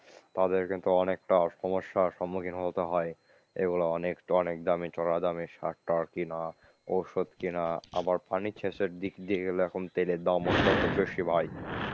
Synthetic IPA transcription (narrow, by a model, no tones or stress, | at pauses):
t̪ad̪eɾkint̪uɔnek̚ʈaʃɔmoʃːaʃɔmːukʰinɦot̪eɦɔe | ḛɡuloɔnekɔnek̚d̪amit͡ɕɔɾad̪amiʃaʈʈaɾkina | owʃod̪kinaa̰baɾpanit͡ɕʰeʃeɾd̪ikd̪ieɡeloɛkʰont̪eled̪amont̪ɔt̪obeʃibʱaj